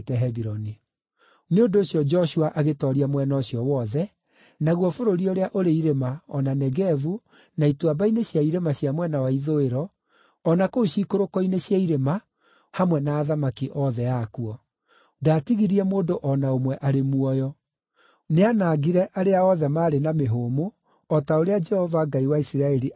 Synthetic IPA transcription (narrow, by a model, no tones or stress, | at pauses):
tɛɦɛβiɾɔni | neondoːɕjɔd͡ʒɔʃuaʔaɣetɔɾiamwɛnaoɕjɔwɔðɛ | naɣwɔfoɾoɾioɾeaʔoɾeiɾemaɔnanɛɡɛvu | naitwabaineɕjaiɾemaɕjamwɛnawaiðoeɾɔ | ɔnakoɕiːkoɾokɔineɕjaiɾema | hamwɛnaːðamakiʔɔðɛakuɔ | daːtiɣiɾiɛmoːdoʔɔnaomwɛʔaɾemuɔjɔ | neanaːɡiɾɛʔaɾeaɔðɛmaːɾenameɦomo | ɔtaoɾead͡ʒɛhɔvaɡaiwaisiɾaɛɾi